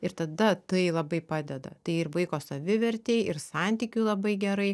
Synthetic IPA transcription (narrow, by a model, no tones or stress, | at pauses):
ɪɾt̪ɐd̪ɐt̪ɐɪlˠɐbɐɪpɑːd̪ʲɛd̪ɐ̰t̪ɐɪɪrʋɐɪkoːsɐʋʲɪʋʲɛɾʲt̪ʲeːjɪrsɑnʲt̪ʲiːkʲuːlˠɐbɐɪɡʲɛɾɐɪ